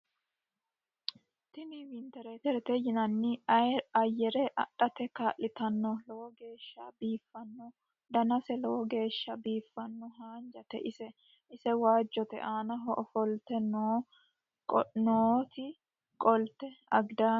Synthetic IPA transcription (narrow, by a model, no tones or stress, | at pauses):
t̪ɪniwɪnt̪ɛɾet̪ɛɾɛt̪ɛjɪnɐnːɪɐjːɛɾɛʔɐ̰ᶑːɐt̪ɛkaːʔɪt̪ɐnːɔlɔwɔɡe̞ːʃːɐbiːfːɐnːɔ | d̪ɐnɐsɛlɔwɔɡe̞ːʃːɐbiːfːɐnːɔɦaːnd͡ʒɐt̪ɛ̰ʔɪsɛ | ɪsɛwaːd͡ʒːɔt̪ɛ̰ʔaːnɐɦɔʔɔfɔlt̪ɛnoː | noːt̪ɪ | kʼɔlt̪ɛɐɡd̪aː